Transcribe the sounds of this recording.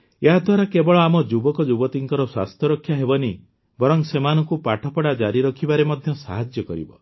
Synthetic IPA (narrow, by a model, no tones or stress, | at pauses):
eɦad̪ʱwaɾakebɔɭɔamɔd͡ʒubɔkɔd͡ʒubɔt̪iŋkɔɾɔswa̰st̪ʰjɔɾɔkʰːjaɦebɔni | bɔɾɔŋsemanɔŋkupaʈʰɔpɔɽad͡ʒaɾiɾɔkʰibaɾemɔd̪ʱjɔsaɦad͡ʒjɔkɔɾḭbɔ̰